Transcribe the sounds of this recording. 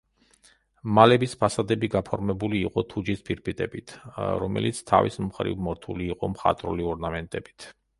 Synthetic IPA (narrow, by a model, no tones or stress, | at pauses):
malɛbispʰasad̪ɛbiɡapʰɔɾmɛbuliːqʼɔt̪ʰud͡ʒispʰiɾpʰit̪ʼɛbit̪ʰɾɔ̰mɛ̰lit̪sʰt̪ʰa̰vḭsmχɾḭvmɔɾt̪ʰuliːqʼɔmχa̰t̪ʼɾṵliɔɾnamɛnt̪ʼɛbit̪ʰ